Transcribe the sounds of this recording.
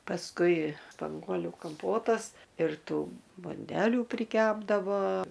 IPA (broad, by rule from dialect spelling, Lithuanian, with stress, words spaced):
pɐsˈkʊɪ spɐŋˈɡuɔlʲʊ kɐmˈpoːtɐs ɪr ˈtuː bʊnʲˈdʲæːlʲuː pʲrʲɪˈkʲæːbdɐʋoː